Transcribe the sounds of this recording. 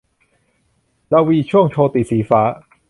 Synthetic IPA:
ɾaː˧wiː˧t͡ɕʰu˥˩əŋt͡ɕʰoː˧t̪i˨˩siː˩˦faː˦˥

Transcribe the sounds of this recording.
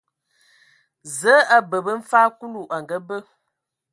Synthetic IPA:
zə˨˦a˦bə˨bə˦m̩˦faː˦ku˦lu˦˨ʔa˨ŋɡə˦bə˦

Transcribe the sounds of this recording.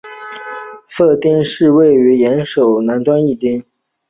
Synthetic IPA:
sɤ˥˩t̪i˥ŋʂɻ̩˥˧we˥˩ɪy˧˥jɛ˧˥nʂo˨˩ʊna˧˥nʈ͡ʂwa˥ni˥˩t̪i˥ŋ

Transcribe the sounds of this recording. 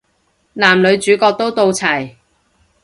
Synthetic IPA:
naː˨˩mlɵ˨˧ɥt͡ʃyː˨˥kɔː˧k̚t̪o˥wt̪o˧wt͡sʰɐ˨˩j

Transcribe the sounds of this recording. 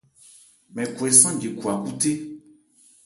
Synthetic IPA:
mɛ̃˨ku˨ɛ˨sã˦d͡ʒe˨ku˨a˨ku˦t̪e˦

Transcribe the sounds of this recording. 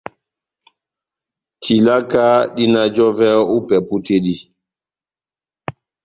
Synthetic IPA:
tʰi˨la˦ka˦ɗi˦na˦d͡ʒɔ˦vɛ˦u˦pɛ˨pu˦te˦ɗi˦

